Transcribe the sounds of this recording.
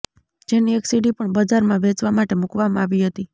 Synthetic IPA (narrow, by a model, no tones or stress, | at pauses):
d͡ʒeniɛksiɖipəɳbəd͡ʒaɾmãʋet͡ʃʋamaʈemukʋamãaʋiɦət̪i